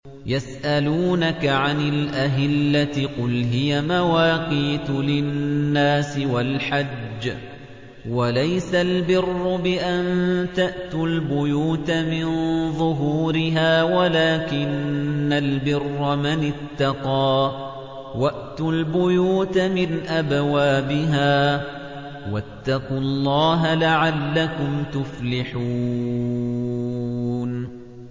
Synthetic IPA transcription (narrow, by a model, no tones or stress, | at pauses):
jasʔaluːnakaʕanɪlʔaɦɪlːat̪ɪqʊlɦɪjamawaːqiːt̪ʊlɪnːaːsɪwalħad͡ʒd͡ʒː | walajsalbɪrːʊbɪʔant̪aʔt̪ʊlbʊjuːt̪amɪnðˤʊɦuːɾɪɦaːwalaːkɪnːalbɪrːamanɪt̪ːɑqɑː | waʔt̪ʊlbʊjuːt̪mɪnʔabwaːbɪɦaː | wat̪ːɑqʊlˤːɑːɦalaʕallːakʊmt̪ʊflɪħuː | n